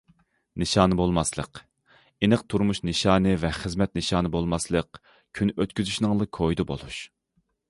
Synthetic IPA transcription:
nɨʃɑːnɨbolˠmɑslˠə̰q | enɨqt̪ʰuɾmuʃnɨʃɑːnɨvɛχəzmɛt̪̚nɨʃɑːnɨbolˠmɑslˠəq̚ | kʲʰynøt̪̚kʲyzyʃnɨŋlˠɨkʰojd̪ɨbo̰lˠuʃ

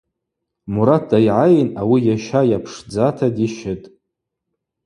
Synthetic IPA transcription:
muɾad̚dajʕajnawijaʃajapʰʂd͡zatʰadiʃɪtʼ

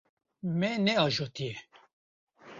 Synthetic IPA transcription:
mɛnɛɑːʒoːt̪ijɛ

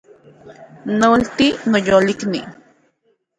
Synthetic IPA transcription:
nolt̪inojoːliknḭ

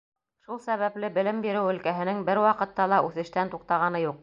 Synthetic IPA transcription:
ʃulˠsæβæplɘbɘ̆lɘmbiɾɘwɵ̆lkæɦɘ̆nɘŋbɘɾwɑqɤ̆t̪ːɑlˠɑʔʉθɘ̆ʃt̪ænt̪uq̚t̪ɑʁɑnɤjuq̚

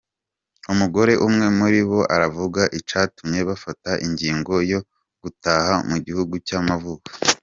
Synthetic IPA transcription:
umuɡo̞ɾe̞ʔumŋe̞muɾiβo̞ʔaɾavuɡaʔit͡ʃaːtumɲe̞βafataʔiɲɟiːŋɡo̞jo̞ | ɡ̥utahamuɟihuɡucamavukḁ

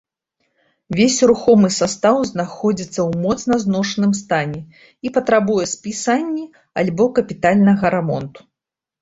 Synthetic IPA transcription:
vʲesʲɾuxɔmɨsast̪awznaxɔd͡zʲit̪sːɐwmɔt̪snɐznɔʂnɨmst̪anʲɛ | ipɐt̪ɾabujɛspʲisanʲːi | alʲbɔkɐpʲit̪alʲnɐɣɐɾɛmɔ̰nt̪u̥

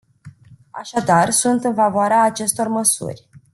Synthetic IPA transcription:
a̰ʃad̪arsunt̪ɨnfavoaɾeaːt͡ʃe̞st̪o̞rməsṵrʲ

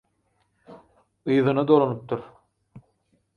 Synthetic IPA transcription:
ɯjðɯnɑd̪olˠonup̚t̪ʰuɾ

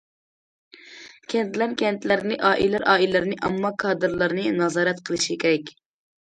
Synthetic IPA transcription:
kʲʰɛnt̪læɾkʲʰɛnt̪læɾnɪʔɑːʔḭlæɾʔɑːʔilæɾnɪʔɛ̰mːɑkʰɑːd̪ɨɾlˠɑɾnɨnɑzɑːɾɛt̪qʰəlˠɨʃikʲʰeɾɛkʲ

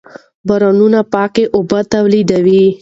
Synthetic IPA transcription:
baɾanunapɑkeʔʊbat̪awlid̪awi

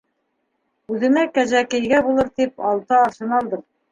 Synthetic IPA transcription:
ʉðɘ̆nækæʒækɘ̆jɡæbulˠɤɾt̪ipɑlˠt̪ɑːʃɤ̆nɑlˠd̪ɤɾ

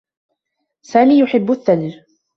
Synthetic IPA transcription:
saːmiːjʊħɪbːʊʔaθːald͡ʒ

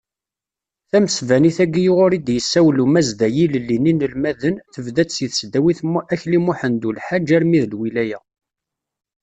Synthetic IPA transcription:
θæməsvæniθæɡijʊʁʊɾid̪jəsːæwlumæzd̪æjiləlːininəlmæðənθəvðæt͡ssjəθəsd̪æwiθæçlimuħənd̪ulħad͡ʒæɾmiðlwilæjæ

